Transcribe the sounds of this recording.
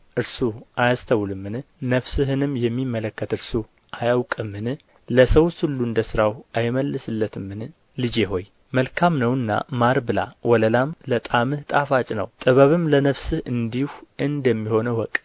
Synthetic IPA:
ʔɨɾsuʔajast̪ʰəwlɨmːɨnnəβsɨɦɨnɨmjɛmːimːələkːət̪ɨɾsu | ʔajawkʼɨmːɨn | ləsəwshɨlːuɨnd̪əsɨɾawʔajməlːɨsɨlːət̪ʰɨmːɨn | lɨd͡ʒeɦo̞j | məlkʰamnəwɨnːa̰maɾbɨla̰wɔləlamlət̪ʼamɨht̪ʼafat͡ʃʼnə̰wt̪ʼɨβəβɨmlənəβsɨhɨnd̪ihuʔɨnd̪əmːiho̞nəwɔkʼ

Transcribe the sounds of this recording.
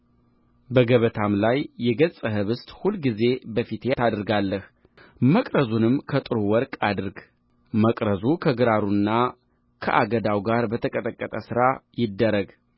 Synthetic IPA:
bəɡəβət̪ʰamlajːɛɡət͡sʼəɦɨβɨst̪ʼhulɡize̞bəfit̪ʰet̪ʰad̪ɾɡalːəh | məkʼɾəzunɨmːkʰət̪ʼɨɾuwɔɾkʼad̪ɨɾɡ | məkʼɾəzukʰəɡɨɾaɾunːa | kʰə̰ʔaɡəd̪awɡaɾbət̪ʰəkʼət̪ʼəkʼːət̪ʼəsɨɾajɪd̪ːəɾəɡ

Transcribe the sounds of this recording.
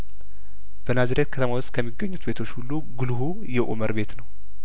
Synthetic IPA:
b̥ənazɾet̪̚kʰət̪ʰəmawʊst̪̚kʰəmːiɡəɲːut̪be̞t̪ʰo̞t͡ʃːhulːuɡɨlɦu | jɛʔṵməɾbe̞t̪nəw

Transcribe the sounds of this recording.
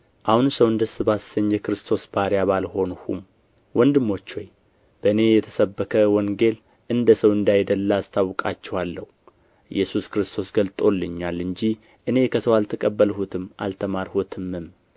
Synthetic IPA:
ʔahunsəwɨnd̪əsɨβasəɲjɛkɾɨst̪ʰo̞sbaɾjaβalho̞nhṵm | wɔnd̪ɨmːo̞t͡ʃːoj | b̥əɨne̞jɛt̪ʰə̥səbːəkʰəwɔŋɡe̞l | ʔɨnd̪əsəwɨnd̪ajd̪əlːast̪ʰawkʼat͡ʃːɛwalːəhu | jːɛsuskɾɨst̪ʰo̞sɡəlt̪ʼo̞lːɨɲːalɨɲd͡ʒih | ʔɨne̞kʰəsəwalt̪ʰəkʼəbːəlhut̪ʰɨma̰lt̪ʰəmaɾhot̪ʰɨmːɨm

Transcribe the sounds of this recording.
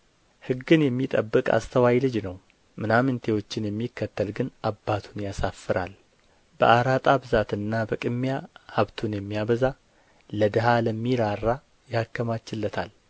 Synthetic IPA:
hɨɡːɨnjɛmːit̪ʼə̰bːɨkʼa̰st̪ʰəwajlɨd͡ʒnəw | mɨnamɨnt̪ʰe̞wo̞t͡ʃːɪnjɛmːikːət̪ːəlɡɨnʔabːat̪ʰunjasafːɨɾʔa̰l | bə̰ʔaɾat̪ʼabɨzat̪ɨnːabəkʼɨmːjahaβt̪ʰunjɛmːijaβəza | ləd̪əɦaləmːiɾarːa | jɪhakːəmat͡ʃːɪlːət̪ʰal

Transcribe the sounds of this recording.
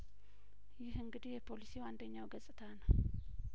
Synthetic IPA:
jɪhɨŋɡɨd̪ijɛpʰo̞lisiwand̪əɲːawɡəsʼɨt̪ʰanəw

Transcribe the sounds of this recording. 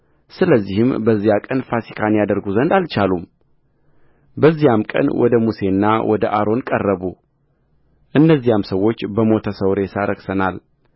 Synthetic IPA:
sɨləzːihɨmbəzːijakʼənfasi̥kʰanjad̪əɾɡuzənd̪alt͡ʃalum | bəzːijamkʼə̰nwɔ̰d̪əmuse̞nːawʔɔd̪əʔaɾo̞nkʼərːəβu | ʔɨnːəzːijamsəwːo̞t͡ʃːbəmo̞t̪ʰəsəwɾesaɾəksənal

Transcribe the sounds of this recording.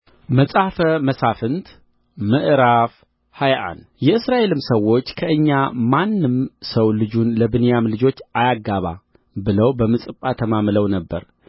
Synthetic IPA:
məsʼafəməsafɨnt̪ | mɨʔɾaf | hajʔa̰njɛɨsɾaʔe̞lɨmsəwːo̞t͡ʃːkʰəʔɨɲːamanːɨmsəwlɨd͡ʒunləbɨnjamlɨd͡ʒo̞t͡ʃːʔajaɡːaβa̰ | bɨləwbəmɨt͡sʼɨpʼːat̪ʰəmamləwnəbːəɾ

